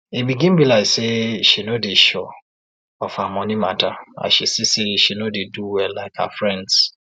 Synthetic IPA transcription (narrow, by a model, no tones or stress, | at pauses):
emĩɡĩmbilaiseʃinodeʃɔ | ɔfamɔ̃nĩmatʰaa̰ʃesiseʃinodeduwɛlːaɪkha̰fɹɛ̃nds